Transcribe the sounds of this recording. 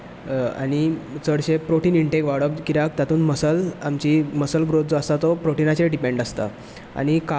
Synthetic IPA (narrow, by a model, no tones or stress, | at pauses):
a̰ɽ̃it͡səɽɕepɾoʈiːniɳʈekʋaɽəbkiɾakt̪at̪uːnməsəlamt͡ɕiməsəlɡɾot̪̚d͡zoasat̪ɔpɾoʈinat͡ɕeɖipeɳɖəst̪a̰ | a̰ɽ̃ika